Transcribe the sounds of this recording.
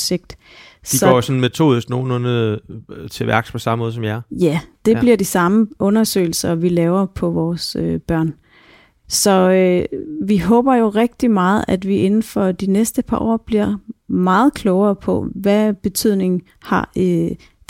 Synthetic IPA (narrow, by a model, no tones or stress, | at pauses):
se̝ɡ̥̚d̥ | si̥ɒ̰ːjosɔn̩met͡sʰo̝̰ːðˠisɡ̥no̝ːnɔn | t͡sʰe̝ʋæ̰ɐɡ̥spʰɔ̽sɑ̈məmɔːðˠsɒ̽mjɑjæd̥e̝̥liɐ̰d̥isɑ̈məʔɔ̽nɐsø̰ɪl̩sɐʋilɛːʊɐpʰɒ̽ʋɒːsøb̥ɶɐ̰n | sɒ̽øʋiɦɔ̽ːb̥ɐjo̝ʁɛɡ̥̚d̥imɑ̈ːð̞̩ˠæd̥ʋiʔe̝nn̩fɒd̥inesd̥əpʰɑ̈ʔɒ̰ːb̥liɐ̰mɑ̈ːð̞̩ˠkʰlɔʊɐːpʰɒ̽ʋæb̥e̝t͡sʰyð̰ˠne̝ŋ̩ | hɑ̈